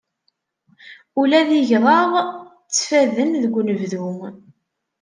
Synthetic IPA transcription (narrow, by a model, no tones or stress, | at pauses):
ulæðiʝðˤɑʁˤ | t͡sːfæðənðəɡʷːnəvðu